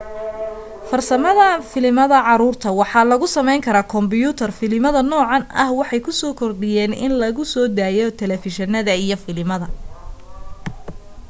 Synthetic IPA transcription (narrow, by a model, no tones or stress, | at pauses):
fɐrsɐmɐðɐfɪlɪmɐðɐʕɑɾuːrt̪ʰɐwɑħɑːlɐɣʊsɐmɛjŋkʰɐɾaːkʰɔmbɪjuːt̪ʰɐrfɪlɪmɐðɐnɔːʕɑnɐ̰hwɑħɑjkʰʊsɔːkʰɔrɖɪjɛːnɪ̰nlɐɣʊsɔːd̪aːjɔt̪ʰɛlɛfɪʃɐnɐðɐijɞfɪlɪmɐðɐ